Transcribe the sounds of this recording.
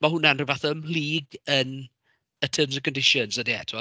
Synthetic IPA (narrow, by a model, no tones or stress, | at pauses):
maɦʊnanrɪvaθɔmliːɡən | ətʰəːmzəkʰɔ̃ndɪʃɔnsədiɛ̰tʰɪɔ